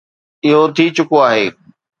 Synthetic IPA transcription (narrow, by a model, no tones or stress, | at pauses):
ɪɦot̪ʰit͡ɕʊkoaːɦeː